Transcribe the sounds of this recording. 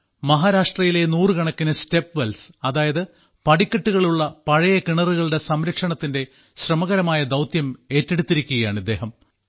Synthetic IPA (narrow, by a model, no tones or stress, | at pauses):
mɐɦaːɾaːʂʈrɐjile̞nuːrɨkɐɳɐkːinɨste̞pːʋelsɐðaːjɐðɨ | pɐɽikʲːɐʈːuɣɐɭuɭːɐpɐɻɐjɐkiɳɐruɣɐɭɽe̞sɐmɾɐkʂɐɳɐt̪ːinde̞ | ɕrɐmɐɣɐɾɐmaːjɐd̪ɐwt̪jɐme̞ːtːeɽut̪ːiɾikʲːuɣɐjaːɳid̪ːe̞ːɦɐm